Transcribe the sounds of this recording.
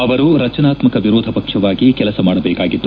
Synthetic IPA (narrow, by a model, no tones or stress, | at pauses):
ɐʋɐɾuɾɐt͡ʃɐnaːt̪mɐkɐʋiɾoːd̪ʱɐpɐkʂɐʋaːɡikɛlɐsɐmaːɽɐbɛːkaːɡid̪ːu